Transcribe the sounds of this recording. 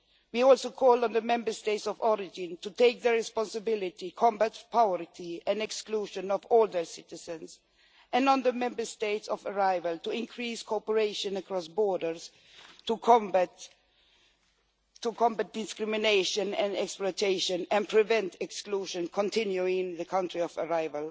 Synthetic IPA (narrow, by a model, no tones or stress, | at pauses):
wiɔlˠsoʊkʰɔlˠə̃nðəmɛ̃mbə˞steɪtsɔvɔɹɪd͡ʒɪ̃ntʰutʰeɪk̚ðəɹɪspɑ̃nsɨbɪlɪtikʰɔ̃mbætpʰaʊəɹtʰiɛ̃nɛkskluʃɨ̃nɔvɔlˠd̪ə˞sɪtɪzɨ̃ns | ʔɛ̃nɔ̃nðəmɛ̃mbə˞steɪtsɔvəɹaɪvəlˠtʰuɪ̃nkʰɹiskʰɔpəɹeɪʃɨ̃nəkʰɹɔsbɔɹdə˞s | tʰukʰɔ̃mbt | tʰːukʰɔ̃mbæt̚d̥ɪskɹɪmɪneɪʃə̃nɛ̰̃nɛksplɔɪtʰeɪʃə̃nɛ̃npʰɹ̥ɪvɛ̃ntɛkskluʃə̃nkʰɔ̃ntʰɪ̃njuɪ̃ŋðəkʰãntɹiɔvəɹaɪvəlˠ